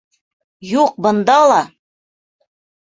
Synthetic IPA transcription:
juq̚bɤ̆nd̪ɑlˠɑ

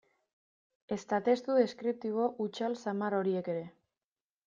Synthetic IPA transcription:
e̞st̪at̪e̞st̪uðe̞skɾip̚t̪iβ̞o̞ʔut͡ʃalsamaro̞ɾie̞ke̞ɾe̞

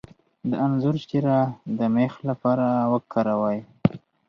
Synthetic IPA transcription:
d̪əanzʊɾʃt̪iɾad̪əmexlapɑɾawəkʰːaɾawaj

